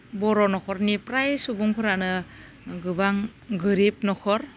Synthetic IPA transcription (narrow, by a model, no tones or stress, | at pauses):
bɔɾɔnɔkʰɔɾnipɾajsubuŋpʰɯɾanɯ | ɡɯbaŋɡɯɾip̚nɔkʰɔɾ